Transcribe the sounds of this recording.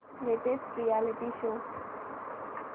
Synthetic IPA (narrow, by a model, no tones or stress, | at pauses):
leʈesʈɾijalɪʈiʃo